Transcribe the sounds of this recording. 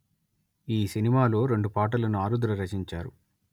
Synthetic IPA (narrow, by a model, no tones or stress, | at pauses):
iːsinimaːlo̞ːɾe̞ɳɖupaːʈ̬ɐlɐnuaːɾud̪ɾɐɾɐt͡ʃiɲt͡ʃaːɾu